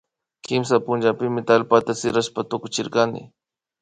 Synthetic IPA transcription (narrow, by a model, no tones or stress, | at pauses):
kɪmsapʊnd͡ʒapɪmɪt̪alpat̪asɪɾaʃpat̪ʊkʊt͡ʃɪɾkanɪ̰